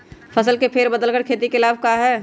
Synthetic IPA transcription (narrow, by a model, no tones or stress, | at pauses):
fʰɐsəlkepʰɪɾbəd̪əlkəɾkʰeːt̪ikɪlaːbkaːɦɛː